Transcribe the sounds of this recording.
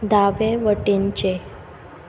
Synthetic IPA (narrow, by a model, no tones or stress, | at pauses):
d̪aʋeʋəʈint͡ɕe